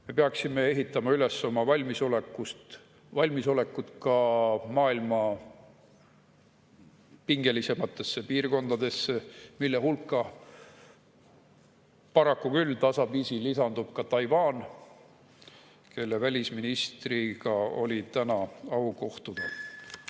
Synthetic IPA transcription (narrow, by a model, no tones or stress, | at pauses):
me̞peɑksime̞e̞ɦit̪ːˑɑmɑyle̞sːomɑvɑlʲmisolekːˑust̪ | vɑlʲmiso̞le̞kːˑut̪kɑmɑːilmɑ | piŋɡ̥e̞lise̞mɑt̪ːˑe̞sːe̞piːrko̞nd̪̥ɑd̪̥e̞sːemilːe̞ɦulkːˑɑ | pɑɾɑkːukylːt̪ɑsɑviːsilisɑnd̪̥ub̥kɑt̪ɑjvɑːn | ke̞lːevælʲisminist̪riɡ̥ɑo̞̰lʲit̪ænɑɑwko̞ht̪ud̪̥ɑ